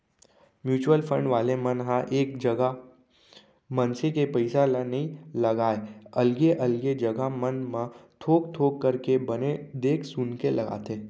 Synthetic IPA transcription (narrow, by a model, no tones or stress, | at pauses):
mjuːt͡ʃuwəlfə̃ɳɖʋaːlemɐnɦãʔeːkd͡ʒɐɡa | mɐnsekepəɪsalanɐɦĩlɐɡaːeɐlɡeʔɐlɡed͡ʒɐɡamənmãt̪ʰoːkt̪ʰoːkːɐɾkebɐned̪eːkʰsʊnkelɐɡa̰ːt̪eː